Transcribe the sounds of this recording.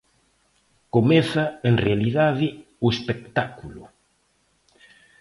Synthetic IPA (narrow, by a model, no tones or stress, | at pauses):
komeθaeŋrealiðaðɪ | oespek̚t̪akulʊ